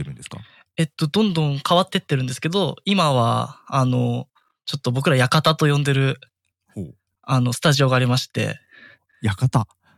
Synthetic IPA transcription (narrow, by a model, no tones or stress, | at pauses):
eɾɯ̃nd̪eska̰ | e̞t̪ːo̞d̪õ̞nd̪õ̞ŋkaβat̪ːe̞t̪ːe̞ɾɯ̟̃nd̪e̞sɨ̥ke̞d̪o̞imaβa̰ano̞ | t͡ɕo̞t̪ːo̞bo̞k̬ɯ̟ɾajakat̪at̪o̞jõ̞nd̪e̞ɾɯ̟ | ho | ano̞sɨ̥t̪aʑio̞ɡaːɾʲimaɕi̥t̪e̞̰ | jakat̪a